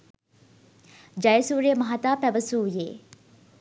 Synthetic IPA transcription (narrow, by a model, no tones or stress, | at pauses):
d͡ʒɐjəsuːɾeəmɐɦat̪aːpæʋəsuːjeː